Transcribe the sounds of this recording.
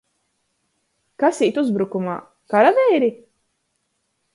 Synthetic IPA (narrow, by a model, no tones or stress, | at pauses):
kasiːt̪uzbɾukuma̰ː | kaɾavɛjɾi